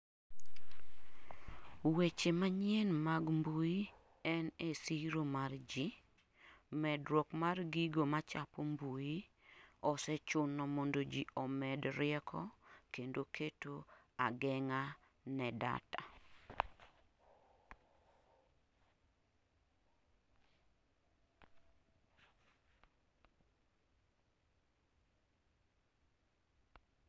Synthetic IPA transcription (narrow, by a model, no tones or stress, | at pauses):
wet͡ʃemaɲɪɛnmaɡmbuji | ɛnesiɾomard͡ʒi | mɛdɾwɔkmarɡiɡomat͡ʃapombuji | ɔsɛt͡ʃʊnːɔmondod͡ʒiɔmɛdɾɪɛkʰɔkendokʰetoaɡɛŋa | nɛda̰ta